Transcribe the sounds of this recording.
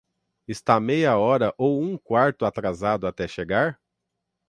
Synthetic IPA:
ɪst̪amejɐɔɾɐʔowũkwaɾt̪ʊat̪ɾazad̪ʊat̪ɛʃeɡaɾ

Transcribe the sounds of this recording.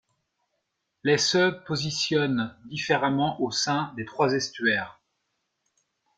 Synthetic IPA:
lesøpozisjɔnd̪ifeʁamɑ̃ʔosɛ̃d̪et̪χwazɛst̪ɥɛːʁ

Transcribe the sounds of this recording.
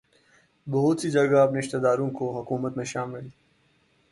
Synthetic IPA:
bɐɦʊt̪sid͡ʒɐɡaːpneːʃt̪əd̪aːɾõkoɦɐkuːmət̪mẽʃaːmɪli

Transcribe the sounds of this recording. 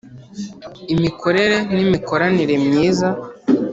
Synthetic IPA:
imikʰo̞ɾe̞ɾe̞nimiko̞ɾaniɾe̞mɲiːza

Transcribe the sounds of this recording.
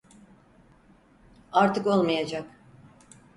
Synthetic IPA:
aɾt̪ʰɯko̞lˠmajad͡ʒak

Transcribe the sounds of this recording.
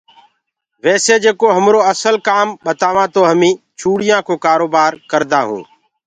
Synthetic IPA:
ʋɛːseːd͡ʒeːkoːɦəmɾoːəsəlkaːmɓət̪aːʋãːt̪oːɦəmĩː | t͡ʃʰuːɽɪjãːkʰoːkaːɾoːbaːɾkəɾd̪aːɦṵ̃ː

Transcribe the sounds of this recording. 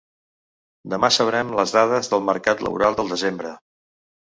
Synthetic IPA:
d̪əmasəβɾɛmləzðað̞əzðəlˠməɾkat̪lə̰βṵɾalˠd̪əlˠd̪əzembɾə

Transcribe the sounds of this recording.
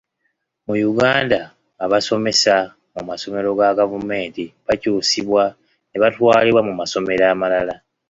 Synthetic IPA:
mujuɡaːndaː | βaso̞me̞sa | mumaso̞me̞ɾo̞ɡaɡavume̞ːntiβacuːsiβwa | ne̞βatwaːliβwamumaso̞me̞ɾaːmalala

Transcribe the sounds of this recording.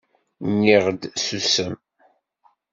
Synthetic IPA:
nːiʁd̪susəm

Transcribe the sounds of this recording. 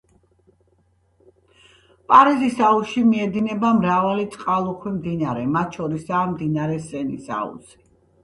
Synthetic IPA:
pʼaɾizisauʃimiɛd̪inɛbamɾavalit̪sʼqʼalˠuχʰwimd̪inaɾɛmat̪̚ʃɔɾisaːmd̪inaɾɛsɛnisa̰ṵsi̥

